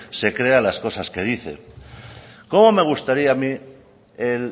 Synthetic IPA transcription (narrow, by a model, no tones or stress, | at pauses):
se̞kɾe̞alasko̞saske̞ðiθe̞̰ | ko̞mo̞me̞ɣ̞ust̪aɾiami | el